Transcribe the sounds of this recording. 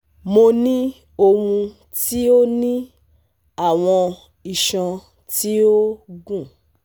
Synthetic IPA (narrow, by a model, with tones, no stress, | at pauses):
mo˧nĩ˦ | o˧hũ˧ | ti˦o˦nĩ˦ | a˦˨w̃ɔ̃˧ | i˨ʃã˧ | ti˦o˦ɡũ˦˨